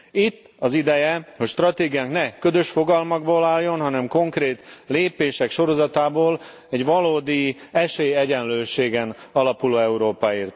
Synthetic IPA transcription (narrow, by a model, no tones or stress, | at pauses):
it̪ːɒzid̪ɛjɛhocʃt̪rɒt̪eːɡijaːŋknɛkø̞zø̞ʃfo̞ɡɒlmɒɡboːlaːlːo̞nɦɒnɛmko̞ŋkreːt̪leːpeːʃɛkʃo̞ɾo̞zɒt̪aːboːl | ɛɟʋɒloːd̪iɛʃeːjɛɟɛnløːʃeːɡɛnɒlɒpuloːɛuɾoːpaːiːrt̪